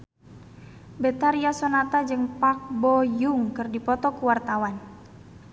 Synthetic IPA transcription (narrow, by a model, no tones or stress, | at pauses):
bɛt̪aɾiasɔnat̪ad͡ʒɨŋpak̚bɔjuŋkɨrdipɔt̪ɔkuwart̪awan